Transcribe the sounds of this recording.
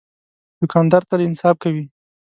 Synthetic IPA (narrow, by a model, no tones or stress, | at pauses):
d̪̥ʊkɑnd̪ɑɾt̪alɪnsɑf̚kawi